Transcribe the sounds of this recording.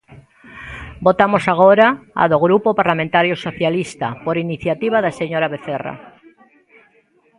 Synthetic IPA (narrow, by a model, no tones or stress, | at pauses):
bot̪amosaɣoɾaa̰ðoɣɾupopaɾlamẽnt̪aɾjosoθjalist̪apoɾiniθjat̪iβaðaseɲoɾaβeθera̰